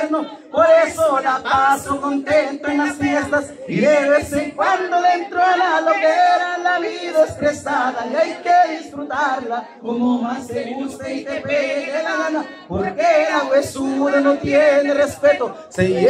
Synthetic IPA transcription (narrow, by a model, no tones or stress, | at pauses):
ɾno | poɾesoðapasokont̪ent̪oenasfjest̪as | ieβeseŋkwand̪olent̪ɾoalalokeeɾalaβiðaesp̪ɾesaðaajkeðisfɾut̪aɾla | komomaseɣuseit̪epeɾelaana | poɾkelaɣwesuɾanõt̪jenerespet̪o | se